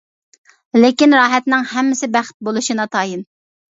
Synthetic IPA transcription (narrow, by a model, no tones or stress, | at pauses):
lekʲinɾɑːɦɛt̪nɪŋhɛmːɪsɪbæχt̪̚bolˠuʃinɑt̪ʰɑːjin